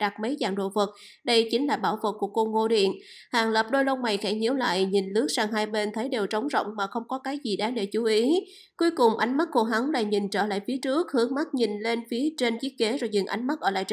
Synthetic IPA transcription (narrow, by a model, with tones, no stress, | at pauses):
ɗa˨˩k̚mə˨˦jzaː˧˩ŋɗo̰˧˨və˨˩t̚ | ɗə˧jt͡ɕï˨˦ŋ̟laː˨˩ɓaː˧˩wvə˨˩t̚kːu˧˩əko˧ŋo˧˩ɗḭ˧˨ən | haː˨˩ŋləː˨˩p̚ɗo˧jlo˧wma˨˩jxɛ˧˩ɲi˨˧˥əwla̰ː˧˨jɲi˨˩nlɨ˦˥ək̚saː˧ŋɦaː˧jɓe˧nt̪ʰə˨˦jɗe˨˩wt͡ɕə˨˦wŋ͡mzɔ̰˧˨wŋ͡mmaː˨˩xə˧wŋ͡mkɔ˨˦kaː˨˦jzi˨˩ɗaː˨˦ɗe˧˩t͡ɕu˨˦ʔi˨˦ | ku˨˦əjkʊ˨˩ŋ͡mʔa˨˦jŋ̟ma˦˥t̚ko˧˩ɦa˨˦ŋla̰ː˧˨˩ɲi˨˩nt͡ɕəː˧˩la̰ː˧˨jfi˨˦ət͡ɕɨ˦˥ək̚hɨ˨˦əŋma˦˥t̚ɲi˨˩nle˧nfi˨˦ət͡ɕe˧nt͡ɕi˦˥ət̚ke˨˦zɔ˨˩jzɨ̰˨˩ŋʔa̰˨˦jŋ̟ma˦˥t̚ʔəː˧˩laː˧˨jt͡ɕ